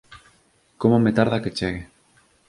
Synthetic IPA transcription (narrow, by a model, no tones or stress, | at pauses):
komomet̪aɾðaket͡ʃeɣe